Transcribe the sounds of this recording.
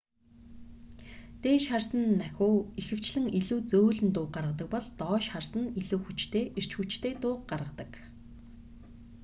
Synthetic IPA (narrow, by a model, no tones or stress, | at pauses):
t̪eːʃχarsə̆nːæxʲuːixɘ̆w̥t͡ɕɮɘ̆ŋiɮuːt͡soːɮɘ̆nt̪ʊːqɢaɾʁə̆t̪ə̆k̚pɔɮt̪ɔːʃχarsə̆niɮuːxut͡ɕt̪ʰeːʔir̥t͡ɕxut͡ɕt̪ʰeːt̪ʊːq̚ɢaɾʁə̆t̪ə̥̆k